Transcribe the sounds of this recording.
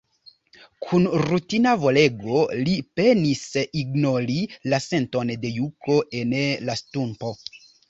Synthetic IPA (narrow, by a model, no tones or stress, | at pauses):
kʰunɾutinavo̞le̞ɡo̞lipe̞nisiɡno̞ɾilase̞nto̞nde̞jukʰo̞ʔe̞nlastumpo̞